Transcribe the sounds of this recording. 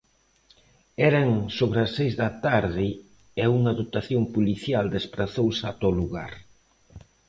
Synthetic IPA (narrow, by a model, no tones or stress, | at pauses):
ɛɾaŋsoβɾasːejzðɐt̪aɾðɪ | euŋaðot̪aθjompuliθjald̪espɾaθowsat̪oluɣa̰ɾ